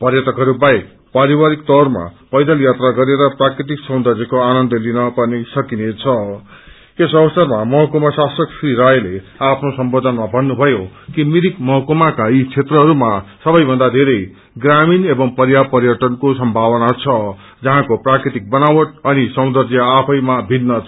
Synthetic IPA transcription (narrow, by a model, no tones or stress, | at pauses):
pʌrjʌt̪ʌkɦʌɾubaek̚ | paɾibaɾik̚t̪ʌrma̰pʌjd̪ʌljat̪raɡʌɾeɾʌprakrit̪iksʌ̃w̃d̪ʌrd͡zekoanʌnd̪ʌlinʌpʌrnisʌkinet͡sʰʌ | esʌbʌsʌrmamʌɦʌkomasasʌksriɾajle | apʰnosʌmbod̪ʱʌnmabʱʌnːubʱʌjokimiɾikmʌɦʌkomakait͡sʰet̪rʌɦʌɾumasʌbʌjbʱʌnd̪ad̪ʱeɾʌj | ɡraminebʌŋpʌrjapʌɾjʌʈʌnkosʌmbʱabʌnat͡sʰʌ | d͡zʌɦãkoprakɾit̪ik̚bʌnawʌʈ̚ʌnisʌw̪̃d̪ʌrd͡zjʌapʰʌjmabʱinːʌ